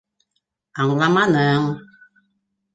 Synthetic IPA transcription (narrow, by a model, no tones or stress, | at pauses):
aŋlamãnəŋ